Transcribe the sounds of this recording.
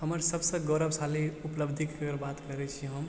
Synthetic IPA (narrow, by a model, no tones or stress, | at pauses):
ɦəməɾsəbsə̃ɡoɾəbsaliupləbd̪ʱikːəɾbat̪kəɾɛt͡ʃʰiɦəm